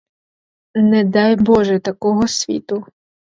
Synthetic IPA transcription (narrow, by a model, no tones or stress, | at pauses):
nɛd̪ɑjbɔʒɛt̪ɐkɔɦɔsʲʋʲḭt̪ʊ